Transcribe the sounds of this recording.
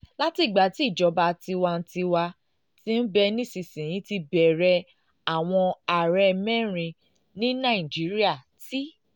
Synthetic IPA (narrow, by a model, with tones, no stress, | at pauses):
la˦ti˨ɡ͡ba˨˦ti˦˨d͡ʒɔ˨˧˦ba˧ti˧wa˧n̩˦ti˧wa˧ | tĩ˦n̩˦bɛ˧nĩ˦si˨sĩ˨j̃ĩ˨˦ti˧bɛ˨ɾɛ˧ | a˨w̃ɔ̃˧a˨ɾɛ˧mɛ̃˦ɾ̃ĩ˧ | nĩ˦nã˦˨i˨d͡ʒi˨˦ɾi˦a˦˨ | ti˦